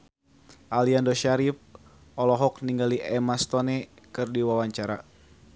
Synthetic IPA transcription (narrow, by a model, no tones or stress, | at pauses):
ʔaliandoʃaɾip̚ | ʔɔlɔɦɔk̚niŋɡaliʔɛmast̪onɛ | kɨrdiwawaɲt͡ʃaɾa